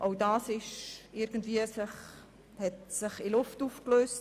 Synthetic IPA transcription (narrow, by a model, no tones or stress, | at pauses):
ʔoʊdɑːsɪʃɪɾɡ̥ən̩dviəsɪχ | hɛtsɪχɪlʊftufkløːst